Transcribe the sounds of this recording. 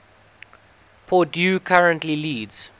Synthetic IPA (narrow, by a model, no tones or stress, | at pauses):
pʰɔdjuːkʰaɹə̃ntliliːdz̥